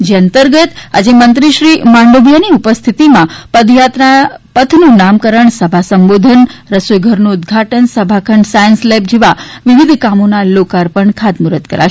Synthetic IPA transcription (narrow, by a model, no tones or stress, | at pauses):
d͡ʒeənt̪əɾɡət̪a̰d͡ʒemənt̪ɾiʃɾimaɳɖobjaniupəst̪ʰit̪imãpəd̪jat̪napət̪ʰnũnamkəɾəɳsəbʱasəmbod̪ʱənɾəsojɡʱəɾnũːd̪ɡʱaʈənsəbʱakʰəɳɖsajənslɛp̚d͡ʒeʋaʋɪʋid̪ʱkamonalokaɾpəɳkʰad̪muɾət̪kəɾa̰ʃ